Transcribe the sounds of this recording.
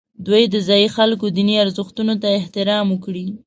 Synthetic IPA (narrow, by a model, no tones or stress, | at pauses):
d̪wujd̪əzɑjixalkod̪iniaɾzəxt̪unot̪aɪht̪ɪɾɑmwʊkɽi